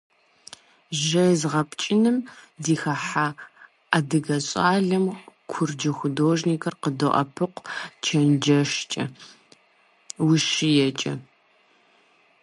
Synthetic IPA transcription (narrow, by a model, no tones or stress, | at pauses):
ʒɐjzʁɐpt͡ʃʼɪnɨmdiːxɐħa | adɨɣɐɕʼaːɮɐmkʷʰʊrd͡ʒɐxʷʊdoːʒniːkʰɐrqədoʔɐ̰pʰɨqʷt͡ʃʰɐnd͡ʒɐʃt͡ʃʼɐ̰ | wʊʃɪjɛt͡ʃʼɐ